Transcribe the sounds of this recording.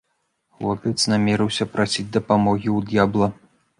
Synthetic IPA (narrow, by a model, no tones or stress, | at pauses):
lɔpʲɛt̪snamʲɛɾɨwsʲɐpɾasʲid͡zʲd̪ɐpamɔɣʲiwd̪jablˠɐ